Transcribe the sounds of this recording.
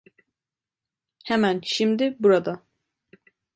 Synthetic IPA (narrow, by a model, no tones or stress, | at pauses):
hɛmænʃimd̪ibuɾad̪ɑ